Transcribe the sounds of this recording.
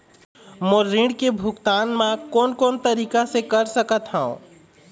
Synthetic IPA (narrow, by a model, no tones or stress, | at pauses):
moɾĩɖkebʱʊkt̪aːnmãkɔːnkɔːnt̪əɾiːkasekɐɾsəkət̪ɦaõ̰